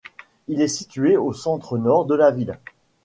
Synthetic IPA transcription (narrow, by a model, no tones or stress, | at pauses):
ilɛsit̪ɥeosɑ̃t̪χənɔʁd̪əlavil